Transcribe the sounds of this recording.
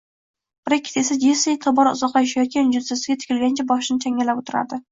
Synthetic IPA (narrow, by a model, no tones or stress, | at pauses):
b̥ɾakʲʰːɪ̥t̪esad͡ʒeset̪ʰɒbɒɾʊ̰zɒqlɑjaʃ̬ajɒt̪̚kʲand͡ʒʊsasɪɡʲat̪ʰɪ̥kʲʰɪlɡʲant͡ʃʰabɒʃɪnɪt͡ʃʰaŋʲalapot̪ʰʊɾa̰d̪ɪ